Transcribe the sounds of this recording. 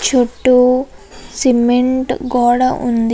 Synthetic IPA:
t͡ʃoʈːu | simeɳʈɡɔːɽɐʔṵnd̪

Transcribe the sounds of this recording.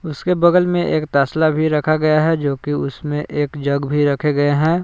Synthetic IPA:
ʊskebɐɡəlmẽʔeːkt̪aːslabʱiɾɐkʰaɡɐjaɦɛd͡ʒoːkiʊsmẽʔeːkd͡ʒɐɡbʱiɾɐkʰeɡɐeɦɛ̃ː

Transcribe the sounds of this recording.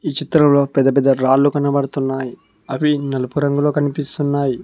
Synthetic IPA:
iːt͡ʃit̪ɾɐmlo̞ːpɛd̪ːɐp̬ɛd̪ːɐɾaːlːukɐnːɐbɐɽut̪unːaːji | ɐʋinɐlɐpuɾɐŋɡuloːkɐnipist̪unːaːji

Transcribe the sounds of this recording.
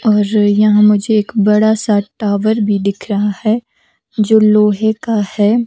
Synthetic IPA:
ɔːɾjɐɦãmʊd͡ʒʱeːkbɐɽasaʈaːʋəɾbʱid̪ɪkʰɾɐɦahɛ | d͡ʒoːloːɦekahɛː

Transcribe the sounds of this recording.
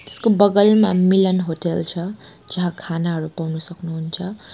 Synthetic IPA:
t̪e̥skobʌɡʌlmamilʌnɦoʈelt͡sʰʌd͡zʌɦãkʰanaɦʌɾupawnusʌknuɦunt͡sʰʌ

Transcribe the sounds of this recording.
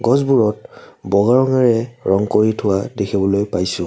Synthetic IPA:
ɡɔzbuɹɔt̚bɔɡaɹɔŋaɹɛɹɔŋkoɹitʰʊwadekʰibɔlojpajsʊ̃

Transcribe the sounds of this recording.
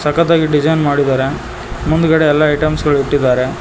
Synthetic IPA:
sɐkɐd̪aːɡiɖid͡ʒɐjnmaːɽid̪aːɾe̞ | mund̪ukɐɽeɛlːɐːjʈɐmsɡɐɭiʈːid̪ːaːɾe̞

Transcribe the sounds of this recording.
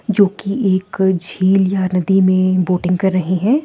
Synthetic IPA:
d͡ʒoːkiʔeːkd͡ʒʱiːljanɐd̪imẽboːʈɪ̃ŋɡ̚kɐɾːɐɦeɦɛ̃ː

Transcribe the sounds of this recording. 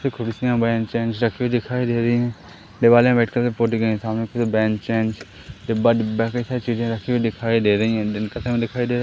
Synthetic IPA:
t̪ʰeːkʰʊɽsɪjãːbɛ̃ːnt͡ʃeːnd͡ʒɾəkʰːiːʋid̪ɪkʰaːiːd̪eːɾəĩːɦɛ̃ː | ɖɪʋaːlãːbɛːʈkəlt̪epoʈikəːsaːmnẽːkːt̪ebɛːnt͡ʃeːnd͡ʒ | ɖɪbaːɖɪbaːkət̪ʰet͡ʃiːd͡ʒãːɾəkʰːiːʋid̪ɪkʰaːid̪eːɾĩːɛ̃ːkət̪ʰẽːm̃ːd̪ɪkʰaːid̪eːɾ

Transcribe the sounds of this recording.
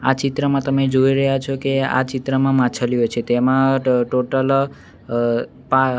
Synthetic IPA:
at͡ʃit̪ɾəmãt̪əmed͡ʒoiɾəɦjat͡ʃʰɔkea̰t͡ʃɪt̪ɾəmãmãt͡ʃʰəlijot͡ʃʰet̪emãʈoʈəl | pa

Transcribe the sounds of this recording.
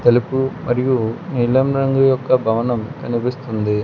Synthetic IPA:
t̪ɐlipumʔɐɾijunilɐmɾɐŋɡujɔkːɐbʱɐʋɐnɐmkɐnibist̪und̪i

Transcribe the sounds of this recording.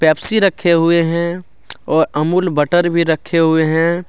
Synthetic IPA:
pɛːpsiɾəkʰːeɦʊeɦɛ̃ | ɔːɾəmuːlbəʈəɾbʱiɾəkʰːeɦʊeɦɛ̃

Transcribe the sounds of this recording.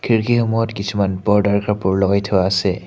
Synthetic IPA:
kʰiɹkixʊmɔjɔtkisumanbɔɹdaɹkapʊɹlɔɡajtʰɔwaːsɛ

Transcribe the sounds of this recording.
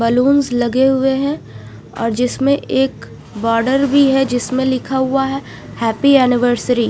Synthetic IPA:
bəluːnzlɐɡeɦʊeɦɛ̃ | ɔ̰ːɾd͡ʒɪsmẽʔeːk | bɔːɾɖəɾbʱiɦɛd͡ʒɪsmẽlɪkʰaɦʊaɦɛ | hɛːpiɛːnɪʋəɾsəɾi

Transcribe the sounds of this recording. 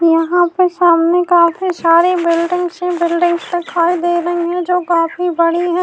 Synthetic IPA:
jɐɦãpesaːmnekaːfisaːɾebɪlɖɪ̃ŋɡsẽbɪlɖɪ̃ŋɡst̪ɪkʰːaːid̪eːɾɐɦiɦɛ̃d͡ʒoːkaːfibɐɽiɦɛ̃ː

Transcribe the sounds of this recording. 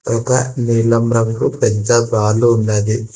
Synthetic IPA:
ɔkɐnilɐmɾɐŋkupeɲt͡ʃad̪aːluunːad̪i

